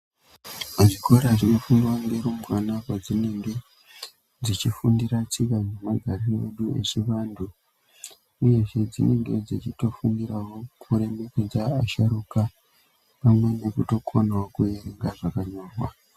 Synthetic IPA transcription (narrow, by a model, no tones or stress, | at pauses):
aʐikoɾaʐinofundiwaŋɡe̞ɾumwanakwad͡zine̞ŋɡe̞ | d͡zit͡ʃifundiɾat͡sikanemaɡʱarie̞̰ɗue̞̰t͡ʃiʋaːndu | uje̞ʐe̞d͡zine̞ŋɡe̞d͡zit͡ʃito̞fundirawokʰuɾe̞meked͡zaːʃaɾuka | pamwe̞ne̞kuto̞kʰonawokujeɾeŋɡaʐakaɲoːrwa